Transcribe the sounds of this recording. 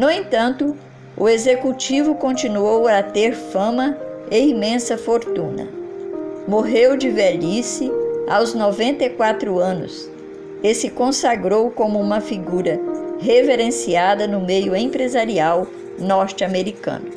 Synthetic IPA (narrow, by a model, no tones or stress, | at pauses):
nʊẽt̪ɐ̃nt̪ʊ | ʊezekut͡ʃivʊkõnt͡ʃinuowɐt̪eɾfɐ̃mɐ | eimẽsɐfoɾt̪ũnɐ̰ | moɦewd͡ʒɪvɛʎisɪawznɔvẽnt̪ejkwat̪ɾʊɐ̃nʊ̰s | ɪsɪkõsaɡɾowkõmʊũmɐfiɡuɾɐɦeveɾẽsiad̪ɐnʊmejʊẽpɾezaɾiaw | nɔɾt͡ʃameɾikɐ̰̃nʊ